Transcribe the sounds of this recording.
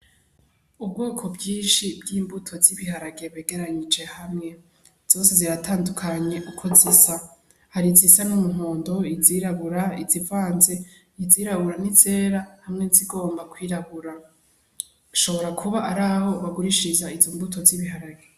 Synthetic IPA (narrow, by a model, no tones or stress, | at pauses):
ub̚ɡoːkʰo̞bɟiːnʃibɡiːmbutʰo̞ziβihaɾaɡe̞βe̞ːɡe̞ɾaɲid͡ʒe̞hamŋe̞ | z̥o̞ːse̞ziɾatʰaːndukʰaɲe̞ʔukʰo̞zisa | haɾizisanumuŋo̞ːndo̞iziːɾaβuɾaizivaːnze̞ | iziːɾaβuɾanize̞ːɾahamŋeziɡo̞ːmbakwiːɾaβuɾa | uʃo̞βo̞ɾakʰuβaʔaɾaːho̞βaɡuɾiʃizaizombutʰo̞ziβihaɾaɡe